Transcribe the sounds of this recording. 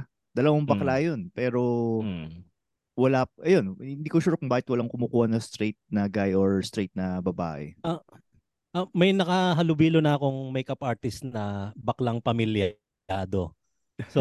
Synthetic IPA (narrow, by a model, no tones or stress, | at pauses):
d̪ɐlɐwaŋbɐklajonpɛːɾo̞ | wɐlaʔɐjo̞nhɪnd̪iːkoʃuːɾokʊŋbaːhɪt̪̚wɐlaŋkʊmuːkuːhɐnɐst̪ɾet̪̚nɐɡajoɹst̪ɾejt̪̚nɐbɐba̰ːʔɛ̰ɐ | ʔɐmɐjnɐkɐɦɐlʊbiːlonɐɐkoŋmɐjkɐpaɹt̪ɪst̪nɐbɐklaŋpɐmɪlj | aːd̪o̞ | so